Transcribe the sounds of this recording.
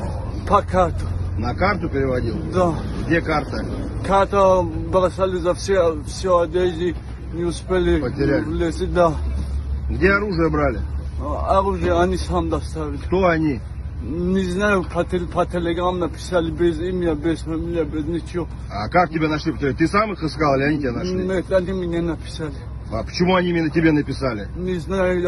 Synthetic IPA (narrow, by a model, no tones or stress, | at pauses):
pʰɐkʰat̪ʊ̥nɐkart̪ʊpʲɪɾʲɪvɐdʲilˠd̪aɡdʲekart̪əkʰaɾt̪ɐbɾasalʲɪzafsʲefsʲead̪eʒi | nʲɪʊspʲelʲɪpətʲɪɾʲavlʲesid̪a | ɡdʲeɐɾuʐɨjəbɾalʲɪaɾuʒɨjəanʲisamd̪ast̪avʲɪlʲt̪oɐnʲi | nʲɪznajʊpʰɐt̪pʰɐt̪ʰʲelʲeɡɾamnɐpʲɪ̥salʲɪbʲezimʲabʲezfamʲilʲɪjɐbʲeznʲɪt͡ʃʰɪo | akak̚tʲɪbʲanɐʂlʲipə̥tʲɪɾʲat̪ɨsamɨxɨskalˠɪlʲɪɐnʲitʲɪbʲenɐʂlmet̪anʲimɪnʲenɐpʲɪ̥salʲɪ | apə̥t͡ɕɪmuɐnʲimʲɪnətʲɪbʲenəpʲɪsalʲɪnʲɪznajʊ